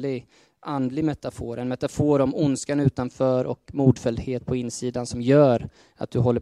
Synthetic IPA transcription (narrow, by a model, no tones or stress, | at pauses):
lɪɡ | ʔand̪lɪɡmɛt̪ːafoːɾʔɛnmɛt̪afoːɾɔmʊnskanʉ̟ːt̪anfœːɾʔɔ̰kmuːd̪fɛld̪heːt̪̚pʰɔɪnːsiːd̪ansɔmjœːɾ | a̰t̪̚d̪ɵɦɔlːə